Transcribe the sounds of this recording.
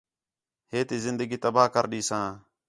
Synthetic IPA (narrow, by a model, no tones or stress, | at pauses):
ɦeːt̪iːzɪnd̪əɡiːt̪əbaːkəɾɗiːsãː